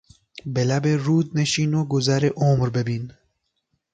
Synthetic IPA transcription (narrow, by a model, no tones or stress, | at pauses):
belæbeɾuːd̪neʃiːnoɡozæɾeʔomɾbebiːn